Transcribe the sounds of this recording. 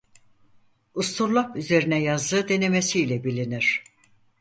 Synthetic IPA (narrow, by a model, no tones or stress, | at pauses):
ust̪ʰuɾlˠakyze̞ɾinɛjazd̪ɯːd̪e̞ne̞mesiːlʲɛbilʲiniɾ̥